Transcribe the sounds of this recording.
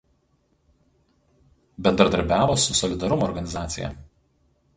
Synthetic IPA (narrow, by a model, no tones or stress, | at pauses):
bʲɛnd̪ɾɐd̪ɐɾʲbʲæːʋoːsʊsɔlʲɪd̪ɐɾʊmoɔːɾɡɐnʲɪzɑːt̪sʲɪ̰jɛ̰ˑ